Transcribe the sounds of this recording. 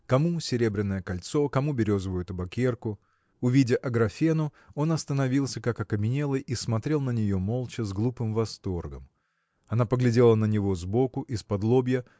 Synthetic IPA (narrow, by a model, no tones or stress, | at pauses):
kɐmusʲɪɾʲe̞bɾʲɪnːəjəkɐlʲt̪so̞kɐmubʲɪɾʲo̞zəvʊjt̪əbɐkʲe̞rkʊ | ʊvʲidʲəʔɐɡɾɐfʲenʊ | o̞nɐst̪ənɐvʲilˠsʲəkakɐkəmʲɪnʲe̞lˠɨjʔismɐt̪ɾʲe̞lˠnənʲɪjo̞mo̞lˠt͡ɕɪzɡlˠupɨmvɐst̪o̞rɡəm | ɐnapəɡlʲɪdʲe̞lˠənənʲɪvo̞zbo̞kʊʔispɐd̪lˠo̞bʲjə